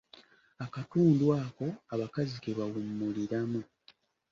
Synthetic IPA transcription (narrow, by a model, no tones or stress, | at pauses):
akatuːndwaːko̞aβakazikeβawumːuliɾamu